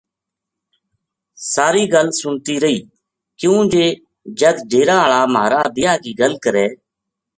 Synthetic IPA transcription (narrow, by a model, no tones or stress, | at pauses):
saːɾiːɡəlsʊɳt̪iːɾəiː | kjũːd͡ʒeː | d͡ʒəd̪ɖʱeːɾaːəɭaːmaːɾaːd̪ɪjaːkiːɡəlkəɾɛː